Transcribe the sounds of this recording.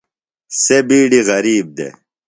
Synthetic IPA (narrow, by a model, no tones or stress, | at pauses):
sebiːɖiɣɐɾiːb̚d̪ḛ